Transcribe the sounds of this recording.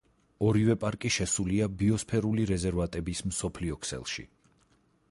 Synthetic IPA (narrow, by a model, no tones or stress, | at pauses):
ɔɾivɛpʼaɾkʼiʃɛsuliabiɔspʰɛɾuliɾɛzɛɾvat̪ʼɛbismsɔpʰliɔkʰsɛ̰lˠʃḭ